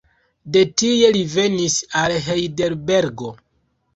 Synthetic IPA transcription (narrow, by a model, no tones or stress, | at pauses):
de̞tie̞live̞nisalɦejdeɾbe̞ɾɡo̞